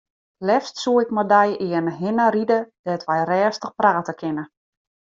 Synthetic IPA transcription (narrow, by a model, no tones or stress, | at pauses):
lɛfstsuəɪkmadɛjʔɪənɦɪnaɾidəd̥ɛtʋɛjrɛːstəxpraːtəkʰɪnə